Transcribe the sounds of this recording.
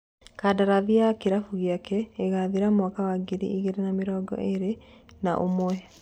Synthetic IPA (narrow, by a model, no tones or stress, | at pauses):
kadaɾaðiakeɾafuɣjakɛeɣaðiɾamwakawaɡiɾḭʔiɣeɾenameɾɔːɡɔ̰ʔeɾenaʔomwɛ